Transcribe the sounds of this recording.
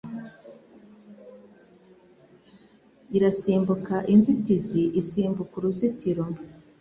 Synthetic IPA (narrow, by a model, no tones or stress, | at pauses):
iɾasiːmbukaʔinzitiziʔisiːmbukuɾuzitiɾo